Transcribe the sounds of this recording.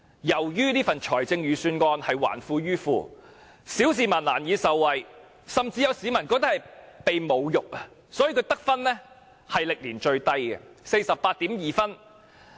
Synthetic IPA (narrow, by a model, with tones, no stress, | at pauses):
jɐ˨˩wjyː˥niː˥fɐ˨nt͡ʃʰɔː˨˩jt͡sɪ˧ŋjyː˨syː˧nŋɔː˧nhɐ˨jwa̰ː˨˩nfuː˧ɥyː˥fṵː˨˧ | si˨˥ws̬iː˨˩maː˨˩nlaː˨˩njiː˨˧sɐ˨wːɐ˨j | sɐ˨mt͡siː˧jɐ˨˧wsiː˨˧˥mɐ˨˩nkɔː˧k̚t̪ɐ˥khɐ˨˩jpe˨jmo˨˧wjʊ˨k̚ɐ˧ | sɔː˨˥jiː˧kʰɵ˨˧ɥt̪ɐ˥k̚fɐ˥nlɛː˥ | hɐ˨jlɪ˨k̚liː˨˩nt͡ʃɵ˧ɥt̪ɐ˥jɡɛ̰˧se˧jsɐ˨pːaː˧t̪̚iː˨˥mjiː˨fɐ˥n